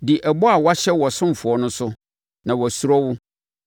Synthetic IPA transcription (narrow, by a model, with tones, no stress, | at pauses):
dɪ˨ʔɛ˨bɔ˦a˨wa˦ɕɛ˦wɔ˨sʊ̃˦m˨fʊ˨ɔ˨nʊ̃˦sʊ˦ | nã˨wɔ˨su˨ɾɔ˦wʊ˦